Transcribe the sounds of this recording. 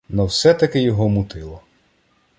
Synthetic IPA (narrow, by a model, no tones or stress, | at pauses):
nɐwsɛt̪ɐkɪjɔɦɔmut̪ɪlˠɔ